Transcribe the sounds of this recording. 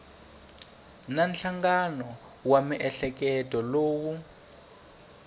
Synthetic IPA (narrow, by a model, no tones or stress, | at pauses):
nanɬaŋɡanɔ | wamiʔɛɬɛk̬ɛtʼɔloːwu